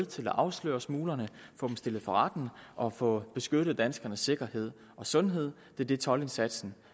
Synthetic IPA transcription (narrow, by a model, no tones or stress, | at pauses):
ð̩ˠt͡sʰe̝læʔɑ̈ʊslø̰ːɐsmuːlɐnəfɔ̽ːb̥msd̥e̝ləð̩ˠfɒ̽ʁɑd̥n̩ʔɒ̽fɔ̽b̥e̝sɡ̥øɾ̥ð̞̩ˠd̥ænsɡ̥ɐnəsːe̝ɡ̥ɐhe̝ð̞̰ˠ | ɒ̽sɔ̽nɦe̝ð̞̰ˠ | d̥e̝d̥e̝t͡sʰɒ̽le̝nsæd̥sn̩